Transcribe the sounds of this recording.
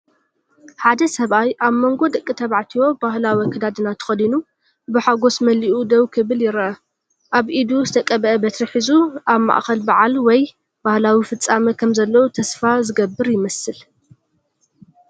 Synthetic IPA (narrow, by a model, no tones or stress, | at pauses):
ħad̪ɐsɐβajʔaβmo̞ŋɡo̞d̪ɐkʼːit̪ʰɐβaʕt̪ʰiwo̞bahlawikʰɨd̪ad̪ɨnat̪ʰɨ̥xɐd̪inu | bɨħaɡo̞smɐliʔud̪ɐwkʰɨβɨljɪɾʔɐ | ʔaβʔid̪uzɨt̪ʰɐkʼɐβɐʔɐbɐt̪ʰɾɨħizuʔaβma̰ʔxɐlbaʕalwɔj | b̥ahlawifɨt͡sʼːamɐkʰɐmzɐlːɐwut̪ʰɐsfazɨɡɐbːɨɾjɪmɐsɨl